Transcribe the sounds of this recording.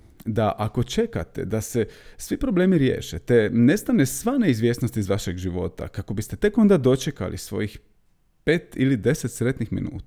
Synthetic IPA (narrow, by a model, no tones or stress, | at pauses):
d̪aʔako̞t͡ʃe̞ka̰t̪e̞̰d̪ase̞sʋipɾo̞ble̞ːmiɾjḛːʃet̪ene̞st̪anesʋaneizʋje̞ːsnost̪izʋaʃe̞ɡʒiʋo̞̰t̪a̰kako̞bist̪e̞t̪e̞ko̞nd̪ad̪o̞t͡ʃe̞ka̰lḭsʋo̞̰jix | pe̞ːt̪ilid̪e̞set̪sɾe̞t̪nixmḭnṵːt̪